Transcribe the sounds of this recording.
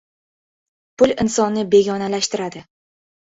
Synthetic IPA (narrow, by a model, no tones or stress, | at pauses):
pʊlɪnsɒnːɪbe̞ɡʲɒnalaʃt̪ɪɾad̪ɪ